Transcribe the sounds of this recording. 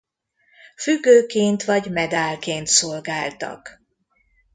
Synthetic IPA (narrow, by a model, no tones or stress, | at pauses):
fyɡːøːkeːnt̪ʋɒɟmɛd̪aːlkeːnt̪solɡaːlt̪ɒ̰k